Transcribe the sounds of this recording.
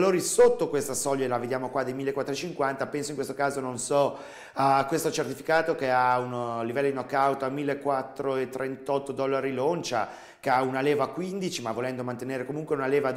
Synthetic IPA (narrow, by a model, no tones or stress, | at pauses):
loːɾisot̪ːokwest̪asɔʎːaelaved̪jaːmokwad̪ːejmilːekwat̪ːɾoet͡ʃiŋkwant̪apɛnsoiŋkwest̪okaːzononsɔ | kwest̪ot͡ʃert̪ifikaːt̪okeaunlivɛlːod̪inɔkːawt̪oamːilːekːwat̪ːɾoet̪ːɾent̪ɔt̪ːod̪ɔlːaɾilont͡ʃa̰ | keaunalɛːvakwind̪it͡ʃimavːolɛnd̪omant̪eneːɾekomuŋkweunalɛːva